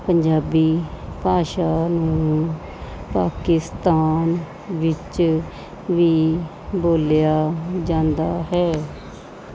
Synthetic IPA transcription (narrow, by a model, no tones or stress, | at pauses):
pəɲd͡ʒaːbiːpaːʃaːnũː | paːkɪst̪aːn | ʋɪt͡ʃ | ʋiː | boːljaːd͡ʒãːnd̪aːɦɛː